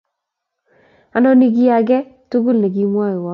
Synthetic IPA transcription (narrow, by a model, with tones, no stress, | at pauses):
a˨nɔ˦ni˦ɡ̬i˦a˨ɡɛ˦tu˦ɡu˦lne˨ɡi˦mwa˦ɪ˨wɔ˦